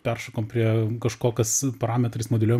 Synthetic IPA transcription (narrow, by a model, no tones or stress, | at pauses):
pʲɛrʃɐkoːmpʲɾʲiɛkɐʃkoːkʲɐspɐɾɑːmʲɛt̪ɾʲismod̪ʲɪlʲoːj